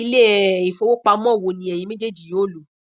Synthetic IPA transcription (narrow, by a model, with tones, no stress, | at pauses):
i˦le˦˨i˨fo˨˦wo˦k͡pa˧˦mɔ̃˦˨wo˧nĩ˧˦ɛ˨jĩ˨˦mẽ˦d͡ʒe˦˨d͡ʒi˨jo˨˦˨lu˨